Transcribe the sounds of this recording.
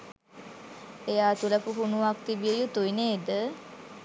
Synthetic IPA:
ejaːt̪uləpuɦunuʋak̚t̪ibiejut̪uineːd̪ə

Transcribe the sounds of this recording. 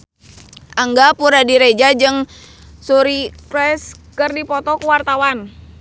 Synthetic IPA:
ʔaŋɡapuɾadiɾed͡ʒad͡ʒɨŋ | suɾikɾɛskɨrdipɔt̪ɔkuwart̪awan

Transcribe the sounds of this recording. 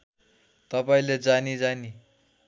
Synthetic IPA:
t̪ʌpaĩled͡zanid͡zani

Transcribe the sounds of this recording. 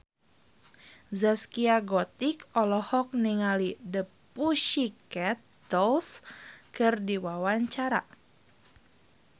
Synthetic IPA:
zaskiaɡɔt̪ikɔlɔhɔk̚niŋalidəpuʃikɛt̪̚ | dɔlskɨrdiwawaɲt͡ʃaɾa̰

